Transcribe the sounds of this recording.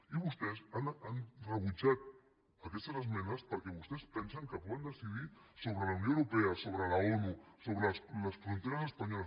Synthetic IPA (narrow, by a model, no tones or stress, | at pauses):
iβust̪ɛsananrəβut͡ʃat̪̚ | akɛst̪azəzmɛnəspəɾkɛβust̪ɛspɛnsəŋkəpɔənd̪əsiðisoβɾəlawnijõwɾupeɐsoβɾəlaonusoβɾəsləsfɾunt̪eɾəsəspaɲɔlɐ